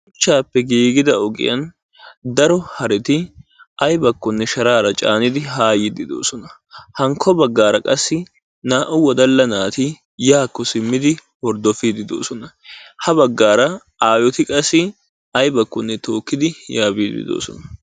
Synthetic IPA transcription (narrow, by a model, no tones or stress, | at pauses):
ʊt͡ʃːaːpːɛɡiːɡɪd̪ɐɔɡɪ̰jɐ̰n | d̪ɐɾɔhɐɾɛt̪ɪɐjbɐkːɔnːɛʃɐɾaːɾɐt͡ʃʼa̰ːnɪd̪ɪɦaːjɪd̪ɪd̪o̞̰ːsɔnɐ | hɐŋkʰːɔbɐɡːaːɾɐkʼɐsːɪ | naːʔʊwɔd̪ɐlːɐnaːt̪ɪ | jaːkːɔsɪmːɪd̪ɪwɔɾd̪ɔfid̪ɪd̪o̰ːsɔnɐ | hɐbɐɡːaːɾɐ | aːjɔt̪ɪkʼɐsːɪ | ɐjbɐkːɔnːɛt̪o̞ːkːɪd̪ɪjaːbiːd̪ɪ̰d̪o̰ːsɔ̰nɐ